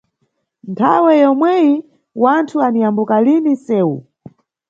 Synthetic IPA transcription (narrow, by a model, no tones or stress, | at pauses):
ntʰawɛjɔmwɛji | wantʰuanijambukalinisɛːu